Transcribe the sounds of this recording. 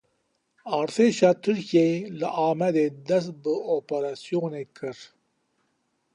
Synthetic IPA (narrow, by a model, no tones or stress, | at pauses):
ɑːɾt̪ʰeʃɑːt̪ʰɨɾkijelɨʔaːmɛd̪ed̪ɐst̪̚bɨopaɾasijonekʰɨɾ